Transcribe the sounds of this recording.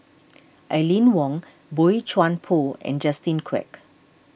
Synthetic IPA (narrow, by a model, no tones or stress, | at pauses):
ʔalĩnwɔ̃ŋ | boit͡ʃwãnpʰoɛ̰̃nd͡ʒastĩnkʰwɛ̰k